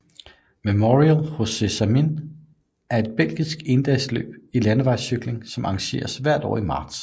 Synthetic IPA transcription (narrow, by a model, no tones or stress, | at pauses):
memoʁiælho̝sesæmin | æɐe̝d̥̚b̥el̰ɡ̥isɡ̥e̝nd̥ɛɪslø̰ːb̥ilænəʋɑ̈ɪ̰syɡ̥le̝ŋsɒ̽mʔɑ̈ŋɕe̝̰ːɐsʋæɐ̰d̥ɒ̰ːimɑ̈ːd̥s